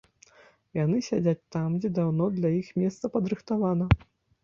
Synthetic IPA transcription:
janɨsʲad͡zʲat͡sʲt̪amd͡zʲɛd̪awnɔd̪lʲajixmʲɛst̪sɐpɐd̪ɾɨxt̪avanɐ

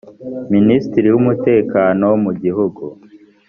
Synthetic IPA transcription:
ministiɾiwumute̞ːkaːno̞wmuɟiɦuɡu

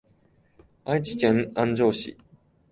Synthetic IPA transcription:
ait͡ɕi̥kʲẽŋãɲd͡ʑo̞ːɕḭ

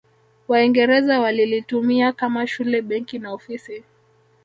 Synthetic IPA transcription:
waiŋɡɛɾɛzawalilitumiakamaʃulɛɓɛŋkinaɔfisi

